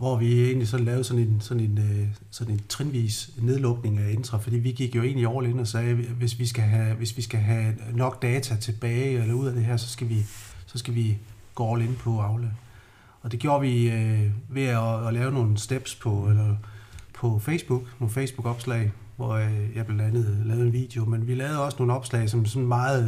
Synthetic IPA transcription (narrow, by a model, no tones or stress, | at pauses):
ʋɒʋie̝ːnlisɒ̽lɛːʊðˠsɒ̽ne̝nsɒ̽ne̝nø | sɒ̽ne̝nt͡sʰʁinʋḭːsne̝ð̞ˠlɔ̽ɡ̥ne̝ŋæend̥ʁɐfɒ̽d̥ḭːʋiɡ̥iɡ̥jo̝e̝̰ːnliɒːle̝nɒ̽sɛːʋe̝sʋisɡ̥æɦʋe̝sʋisɡ̥æɦænɒ̽ɡ̥d̥ɛːt͡sʰæt͡sʰe̝b̥ɛːɪelɐuð̞̰ˠæd̥e̝ɦæɐ̰sɒ̽sɡ̥æʋisɒ̽sɡ̥æʋi | ɡ̥oːɒʊle̝npʰɒ̽ɑ̈ʊlə | ɒ̽d̥e̝ɡ̥jo̝ːɐʋiøʋe̝æːlɛːʊno̝ːn̩sd̥eb̥spʰɒ̽eɐpʰɒ̽fesb̥uɡ̥noːfeɪsb̥uɡ̥ɒ̽b̥slɛ̰ɪ | ʋɒjɑ̈ɪb̥lænd̥ænð̩ˠlɛːʊð̩ˠenʋḭːd̥e̝o̝menʋilɛːʊð̞̩ˠɒ̽sno̝ːn̩ɒ̽b̥slɛ̰ɪsɒ̽msɒ̽nmɑ̈ːð̩ˠ